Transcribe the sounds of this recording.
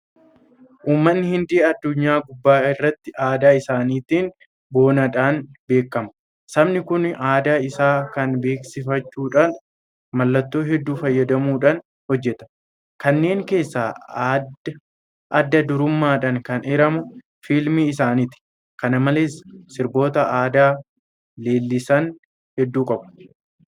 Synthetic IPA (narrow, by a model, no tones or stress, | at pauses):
ʔuːmːɐnːɪhɪnd̪ɪɐd̪ːʊɲːaːɡʊbːaːɪrːɐt̪ːɪʔaːd̪aːɪsaːniːt̪iːn | bo̞ːnɐᶑaːnbe̞ːkːɐmɐ | sɐbnɪkʊnaːd̪aːɪsaːkɐnbe̞ːksɪfɐt͡ʃːuːᶑaːn | mɐlːɐt̪ːo̞ːɦɛd̪ːuːfɐjːɐd̪ɐmuːᶑan | hɔd͡ʒːɛt̪ɐ̥ | kɐnːe̞ːŋke̞ːsːaː | ʔɐd̪ːɐd̪ʊɾʊmːaːᶑɐŋkɐnɛɾɐmʊ | filmiɪsaːnɪt̪ɪ̥ | kɐnɐmɐle̞ːssɪɾbo̞ːt̪ɐaːd̪aː | le̞ːlːɪsɐn | hɛd̪ːuːkʼɐbʊ̥